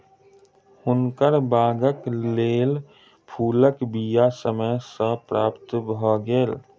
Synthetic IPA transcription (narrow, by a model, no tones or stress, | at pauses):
hʊnkəɾbaːɡəkleːl | pʰuːləkbijasəməjsəpɾaːpt̪bʱɔːɡeːl